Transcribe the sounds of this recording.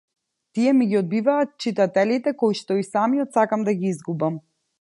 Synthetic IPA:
t̪iɛmiɡiɔd̪̚bivaːt̪̚t͡ʃit̪at̪ɛlit̪ɛkojʃt̪ɔisamiɔt̪sakamd̪aɡiizɡubam

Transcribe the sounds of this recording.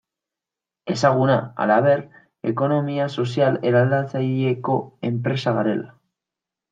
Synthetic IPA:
e̞saɣ̞unaa̰laβe̞ɾ | e̞̰ko̞no̞miaso̞s̬jaleɾalat͡saʎeko̞e̞mpɾe̞saɣaɾe̞la

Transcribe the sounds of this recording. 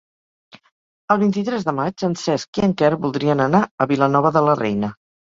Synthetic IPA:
əlˠβint̪it̪ɾɛzðəmad͡ʒənsɛskiəŋkɛɾβulˠd̪ɾiənənaəβilənɔβ̞əðələrɛjnə

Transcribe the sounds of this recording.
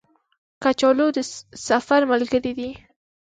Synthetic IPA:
kat͡ʃɔlod̪əsafaɾməlɡəɾid̪i

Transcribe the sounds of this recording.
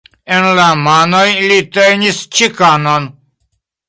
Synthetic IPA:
enlamaːnojlit̪ejnist͡ʃʰikanan

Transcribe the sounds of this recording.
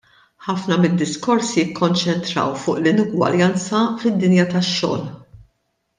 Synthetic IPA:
ħɐfnɐmɪd̪ːɪskɔɾsjɪkːɔnt͡ʃɛnt̪ɾɐ̰wfʊːʔlɪnʊɡwɐ̰ɾjɐnt͡sɐfɪd̪ːɪnjɐt̪ɐʃːɔ̰ːl

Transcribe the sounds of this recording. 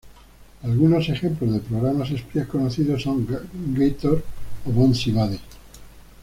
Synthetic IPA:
alɣunose̞xe̞mplo̞zðepɾoɣɾamas̬espjehkonoθiðo̞sːo̞ŋɡejt̪oɾoβonsiβaðe

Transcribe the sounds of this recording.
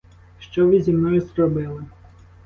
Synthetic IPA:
ʃt͡ʃɔʋɪzʲimnɔjʊzrɔbɪlˠɪ

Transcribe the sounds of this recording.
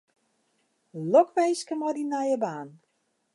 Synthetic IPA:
lɔkʋejskəmɔdinajəbaːn

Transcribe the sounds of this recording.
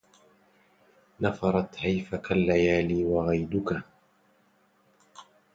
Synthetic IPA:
nɑfɑɾˤɑt̪hajfakalːajaːliːwaɣajd̪ʊka

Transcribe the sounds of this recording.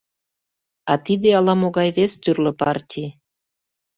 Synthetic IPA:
ɑt̪id̪eɑlɑmoɣɑjβest̪yrlə̆pɑrtʲij

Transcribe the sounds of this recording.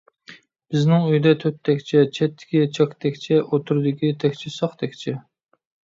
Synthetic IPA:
b̥ɪznɪŋyjd̪ɛt̪ʰøt̪ʰːɛkʲt͡ʃʰɛt͡ʃʰɛt̪ʰːɪ̥kʲit͡ʃʰɑkʲt̪ʰɛkʲt͡ʃʰɛʔot̪ʰuɾɨd̪ɪkʲit̪ʰɛkʲt͡ʃʰɪsɑχt̪ʰɛkʲt͡ʃʰɛ

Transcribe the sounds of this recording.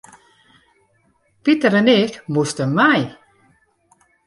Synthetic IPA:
b̥itəɾənɪːkmustəmaj

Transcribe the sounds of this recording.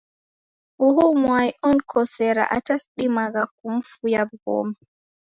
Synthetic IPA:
ʔuhumwajɔnkʰɔsɛɾa̰ʔa̰tasɗimaɡak̚umfujab̚ɡɔ̰ːma

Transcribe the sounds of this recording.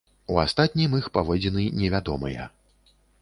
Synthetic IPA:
ua̰st̪at̪̚ʲnʲijmixpavɔd͡zʲɛnɨnʲɛvʲad̪ɔmɐjɛ̰

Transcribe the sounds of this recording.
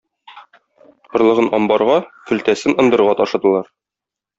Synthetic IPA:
qŏɾlˠɤ̆ʁɤnɒmbɑɾʁɑkɵ̆lt̪æsɘnɤ̆nd̪ɤ̆ɾʁɑt̪ɒʃɤ̆d̪ɤ̆lˠɑɾ

